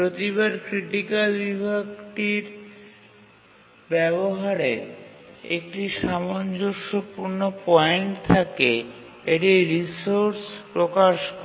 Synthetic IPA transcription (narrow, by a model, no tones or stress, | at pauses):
pɾot̪iβaɾkɾiʈikalbibʱaɡʈiɾ | bɛβoɦaɾeɾḛk̚ʈiʃamond͡ʑoʃopuɾnopɔjeɳʈt̪ʰake | eʈiɾisoɾspɾokaʃkɔ